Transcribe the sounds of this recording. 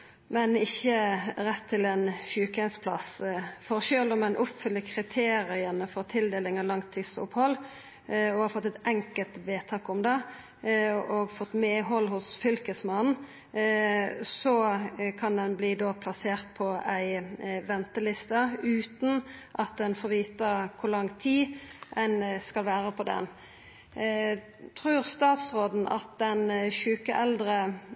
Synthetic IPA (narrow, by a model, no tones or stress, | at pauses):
mɛnɪçːəɾɛt̪ʰːɪlɛnçʉːkæɪnspʰlɑ̰sfɔʁʃøːlɔmɛnʔʊpfʏlːəkʰɾɪt̪ʰeːɾɪənəfɔɾt̪ʰɪld̪eːlɪŋɑlɑŋt̪ʰːɪsʊ̰phɔlː | ɔhɑfɔt̪ːɛt̪ɛŋkəlt̪ʋeːt̪ʰɑːkʊmd̪ɛ | ɔɡfɔt̪ːmeːɦɔlːhʊsfʏlkəsmɑnn̩ | sɔkʰɑnd̪ɛnbliːd̪oːpʰlɑseːʁt̪pʰɔæɪʋɛnt̪əlɪst̪əʉːt̪n̩ʔɑt̪̚d̪ɛnfɔʁʋiːt̪əkʰʊʁlɑŋːt̪ʰiːʔæɪnskɑlʋæːʁəpʰɔd̪ɛ̰n | t̪ʰʁʉːʁst̪ɑːt̪sʁoːd̪n̩ʔɑ̰t̪̚d̪ɛnʃʉːkəʔɛld̪ɾə